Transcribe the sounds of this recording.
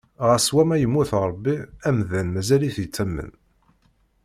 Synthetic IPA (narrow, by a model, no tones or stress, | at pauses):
ʁəswæmæjəmːuθɾˤbːiæmðænmæzæliθət͡sːæmːə̰n